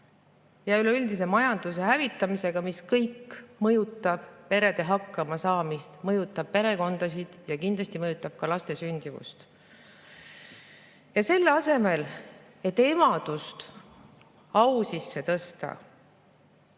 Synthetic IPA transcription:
jɑyle̞yld̪ise̞mɑjɑnd̪̥use̞ɦævit̪ːˑɑmise̞ɡ̥ɑmiskɤjkːmɤjut̪ːˑɑb̥pe̞ɾe̞d̪̥e̞ɦɑkːˑɑmɑsɑːmist̪mɤjut̪ˑːɑb̥̚pe̞ɾe̞ko̞nd̪̥ɑs̬id̪̥jɑkind̪lɑsʲt̪imɤjut̪ːˑɑb̥̚kɑlɑst̪e̞synʲd̪̥ivṵst̪ | jɑse̞lːɑse̞me̞l | e̞t̪ːˑe̞mɑd̪̥ust̪ | ɑwsisːe̞t̪ɤst̪ɑ̰

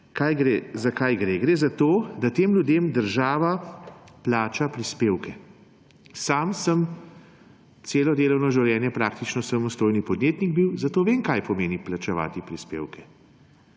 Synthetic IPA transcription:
kajɡɾezakajɡɾeːɡɾeːzat̪oːd̪at̪eːmlʲjud̪eːmd̪əɾʒaːʋaplaːt͡ʃapɾispeːwkʰɛ | saːmsəm | t̪seːlɔd̪eːlɔwnɔʒiwljɛːnjɛpɾaːkt̪it͡ʃnɔsamɔst̪oːjnipɔd̪njeːt̪niɡ̚biwzat̪oːʋeːŋkajpɔmeːniplat͡ʃɛʋa̰ːt̪ipɾispḛːwkɛ

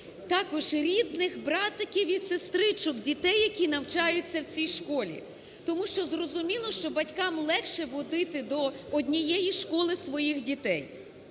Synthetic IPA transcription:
t̪ɑkɔʒɾʲid̪nɪxbɾɑt̪ɐkʲiwʲisest̪ɾɪt͡ʃʊkdʲit̪ɛjːɐkʲinɐwt͡ʃɑjʊt͡sʲːɐwt͡sʲijʃkɔlʲḭ | t̪ɔmuʃt͡ʃɔzrɔzʊmʲilˠɔʃt͡ʃɔbɐtʲkɑmlˠɛkʃɛʋɔd̪ɪt̪ɪd̪ɔɔdʲnʲijɛjiʃkɔlˠɪsʋɔjixdʲit̪ɛj

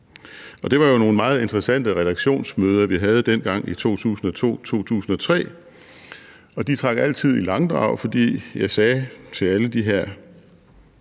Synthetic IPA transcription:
ʔɒ̽d̥e̝ʋɑ̈jo̝no̝ːn̩əmɑ̈ːð̞̩ˠe̝nd̥ʁɛsæn̰d̥əʁɛd̥ɑ̈ɡ̥ɕo̝̰ːnsmøːð̞ˠɐʋiɦæð̞̩ˠd̥en̰ɡ̥ɑ̈ŋ̰it͡sʰo̝̰ːt͡sʰṵːsn̩ɒ̽t͡sʰo̝̰ːt͡sʰo̝̰ːt͡sʰṵːsn̩ɒ̽t͡sʰʁɛ̰ː | ɒ̽d̥it͡sʰʁɑ̈ɡ̥æl̰t͡sʰið̞̰ˠilɑ̈ŋd̥ʁɑ̰̈ʊ̰fɒ̽d̥ḭːjɑ̈ɪsɛːt͡sʰe̝læləd̥iɦeɐ̰

